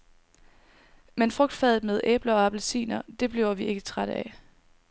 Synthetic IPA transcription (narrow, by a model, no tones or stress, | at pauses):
menfʁɔ̽ɡ̥̚d̥fɛːð̞ˠð̩ˠmeð̞ˠʔḛːb̥lɐɒ̽æb̥lsḭːnɐd̥e̝b̥le̝ʊɐʋie̝ɡ̥ət͡sʰʁaɾəæ